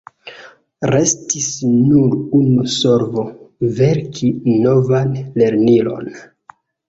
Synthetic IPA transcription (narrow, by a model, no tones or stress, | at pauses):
ɾe̞stisnuɾunuso̞ɾvo̞ve̞ɾkʰino̞vanle̞ɾnilo̞̰n